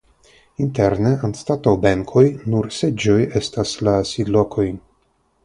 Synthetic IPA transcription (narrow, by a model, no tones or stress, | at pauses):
inte̞ɾne̞anstatowbeŋkʰo̞jnuɾsed͡ʒo̞je̞staslasid̪lo̞kʰo̞j